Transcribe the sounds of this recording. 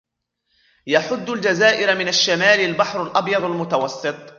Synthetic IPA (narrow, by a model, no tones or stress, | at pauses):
jaħʊd̪ːʊld͡ʒazaːʔɪɾmɪnaʃːamaːlalbaħɾalʔɑbjɑd̪ˤalmʊt̪awɑsˤːɨt̪ˤ